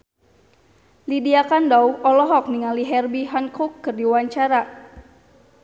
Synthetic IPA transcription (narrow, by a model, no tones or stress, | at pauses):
lidiakandauʔɔlɔɦɔk̚niŋaliɦɛrbiɦankukːɨrdiwaɲt͡ʃaɾa